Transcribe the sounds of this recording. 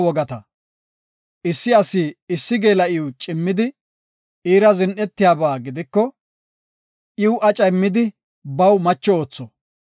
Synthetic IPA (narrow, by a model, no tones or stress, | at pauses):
wɔɡɐt̪ɐ | ʔɪsːɪɐsiɪsːɪɡe̞ːlɐʔɪwt͡ʃʼɪmːɪd̪ɪ | iːɾɐzɪnʔɛt̪ːɪjaːbaːɡɪd̪ɪkːɔ | ʔɪwʊʔɐt͡ʃʼɐmːɪd̪ɪ | bɐwmɐt͡ʃːɔoːt͡sːɔ